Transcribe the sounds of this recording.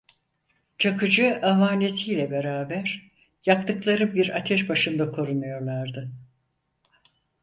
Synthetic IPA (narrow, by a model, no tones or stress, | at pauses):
t͡ʃʰakɯd͡ʒɯamaːnʲesʰijlʲɛbeɾaːbæɾ | jak̚t̪ɯklˠaɾɯbiɾat̪ʰɛʃbaʃɯnd̪akʰo̞ɾunujo̞ɾlˠaɾd̪ɯ